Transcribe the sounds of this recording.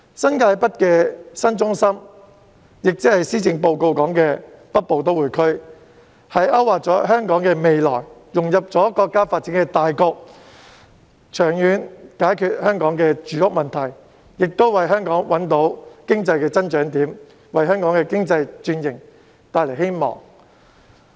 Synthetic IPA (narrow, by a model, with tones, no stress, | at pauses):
sɐ˥nkaː˧jpɐ˥t̚kɛː˧sɐ˥nt͡sʊ˥ŋsɐ˥m | jɪ˨k̚t͡si˥hɐ˨jsiː˥t͡sɪ˧ŋpo˨˧wko˧wkɔː˨˥ŋkɛː˧pɐ˥t̚po˨˧wt̪o˥wuː˨˩jkʰɵ˥ɥ | hɐ˨jʔɐ˥wːaː˨t̚t͡sɔː˨˥ɦœː˥ŋkɔː˨˥ŋkɛː˧me˨jlɔ̰ː˨˩jjʊ˨˩ŋjɐ˨p̚t͡sɔː˨˥kɔː˧kːaː˥faː˧t̚t͡siː˨˥nkɛ˧t̪aː˨jkɔː˧k̚ | t͡ʃʰœː˨˩ŋjyː˨˥nkaː˨˥jkʰyː˧t̚hœː˥ŋkɔː˨˥ŋkɛː˧t͡ʃyː˨˥jʊ˥k̚mɐ˨nt̪ʰɐ˨˩j | jɪ˨k̚t̪o˥wwɐ˨jɦœː˥ŋkɔː˨˥ŋwɐ˨˥nt̪o˨˥wkɪ˥ŋt͡sɐ˧jkɛː˧t͡sɐ˥nt͡ʃœː˨˥ŋt̪iː˨˥m | wɐ˨jɦœː˥ŋkɔː˨˥ŋkɛː˧kɪ˥ŋt͡sɐ˧jt͡ʃyː˧njɪ˨˩ŋ | t̪aː˨˧jle˨˩jhe˥jmɔ̰ː˨˩ŋ